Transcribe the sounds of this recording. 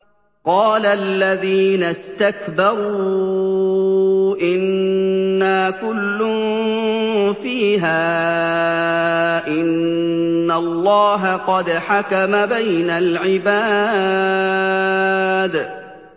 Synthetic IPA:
qɑːlaʔlːaðiːnast̪akbɑɾuː | ʔɪnː | aːkʊlːʊn | fiːɦaː | ʔɪnː | alːɑːɦaqɑd̪ħakamabajnalʕɪbaː | d̪

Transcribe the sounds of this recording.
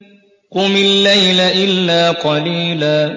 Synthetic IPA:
kʊmɪlːajlaʔɪlːaːqɑliːlaː

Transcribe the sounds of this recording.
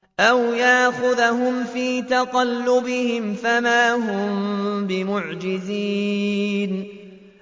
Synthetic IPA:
ʔawjaʔxʊðaɦʊmfiːt̪ɑqɑlːʊbɪhɪmfamaːɦʊmbɪmʊʕd͡ʒɪziːn

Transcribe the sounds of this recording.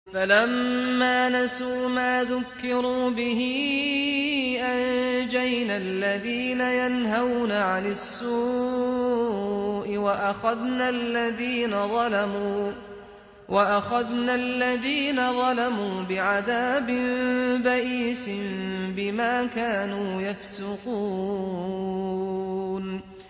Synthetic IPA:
falamːaːnasuːmaːðʊkːɪɾuːbɪɦɪ | ʔand͡ʒajnalːaðiːnajanɦawnaʕanasːuː | ʔɪwaʔaxaðnalːaðiːnaðˤɑlamuː | wʔaʔaxaðnalːaðiːnaðˤɑlamuːbɪʕaðaːbɪnbaʔiːsɪnbɪmaːkaːnuːjafsʊquː | n

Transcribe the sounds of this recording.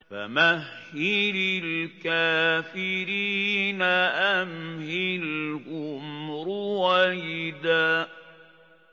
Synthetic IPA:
fa̰mahːɪɾɪlkaːfɪɾiːnaʔamhɪlʔʊmɾʊwajɪd̪aː

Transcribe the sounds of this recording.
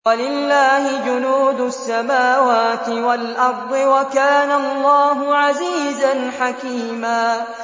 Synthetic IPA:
alɪlːaːhɪd͡ʒʊnuːd̪ʊsːamaːwaːt̪ɪwalʔɑɾˤd̪ˤɨwakaːnalˤːɑːɦʊʕaziːzanħakiːmaː

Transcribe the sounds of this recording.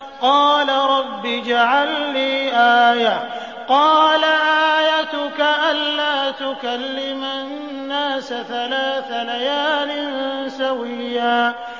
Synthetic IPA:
qɑːlaɾˤɑbːid͡ʒaʕalːiːʔaːja | qɑːlaʔaːaːjat̪ʊkaʔalːaːt̪ʊkalːɪmannːaːsaθalaːθalajaːlɪnsawɪjːaː

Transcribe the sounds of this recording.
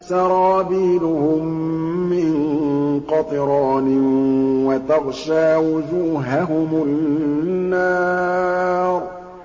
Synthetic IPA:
sɑɾˤɑːbiːlʊhʊmːɪŋqɑt̪ˤɨɾˤɑːnɪwat̪ɑɣʃaːwʊd͡ʒuːɦaɦʊmʊ | nːaː | ɾˤ

